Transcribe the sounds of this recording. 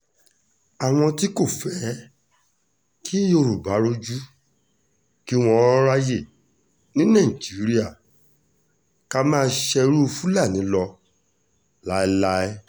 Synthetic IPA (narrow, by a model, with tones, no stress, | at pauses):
a˨w̃ɔ̃˧ti˦ko˦˨fɛ˨˦ | ki˦jo˧˨ɾu˨ba˨˦ɾo˦d͡ʒu˦ | ki˦w̃ɔ̃˧˦ɔ̃˦ɾa˧je˨ | nĩ˦nã˦˨d͡ʒi˨˦ɾi˦a˦˨ | ka˧mãː˦˧ʃɛ˧ɾu˦˧fu˦la˦˨nĩ˨˦lɔ˧ | la˨˦i˧˦la˦ɛ˦